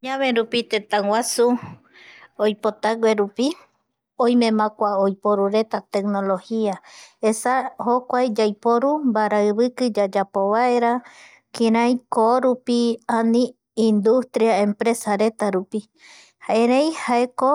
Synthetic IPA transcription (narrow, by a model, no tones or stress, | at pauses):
ɲãβẽɾupit̪et̪ãwasu | ojpot̪aɡweɾupi | õjmẽ̞mãkʷaojpoɾuɾe̞t̪at̪e̞k̚nolo̞hiaesahokʷajd͡ʒajpoɾumbaɾaɨβɨkɨd͡ʒad͡ʒapo̞βaeɾa | kĩɾãj̃koɾupianĩː | nd̪ust̪ɾiaẽmpɾe̞saɾe̞t̪aɾupi | haeɾejhaeko